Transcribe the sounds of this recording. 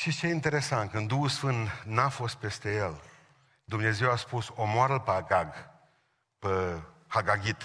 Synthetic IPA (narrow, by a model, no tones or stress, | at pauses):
ʃit͡ʃeint̪e̞ɾe̞sant̪̚kɨnd̪uhulsfɨnt̪nafo̞st̪̚pe̞st̪e̞je̞l | d̪umne̞ze̞waspuso̞moaɾəlpəaɡaɡ | pə | haɡaɡʲit̪